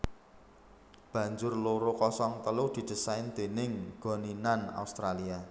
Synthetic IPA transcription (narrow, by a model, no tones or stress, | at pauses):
b̥ä̤ɲd͡ʒʊrloɾokɔsɔŋt̪əlʊd̪̥i̤d̪̥ə̤saɪnd̪̥e̤nɪŋɡ̥ɔ̤ninana̰ust̪ɾalia